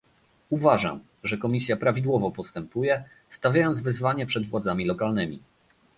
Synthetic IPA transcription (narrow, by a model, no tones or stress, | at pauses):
uvaʐa̰m | ʐɛkɔmʲisʲjapɾavʲid̪wɔvɔpɔst̪ɛmpujɛ | st̪avʲjajɔnd̪zvɘzvaɲɛpʂɛd̪vwad̪zamʲilɔkalnɘmʲḭ